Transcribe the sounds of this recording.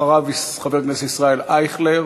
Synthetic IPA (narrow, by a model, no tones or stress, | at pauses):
aʁavisχabeʁɡnesisʁaelajχle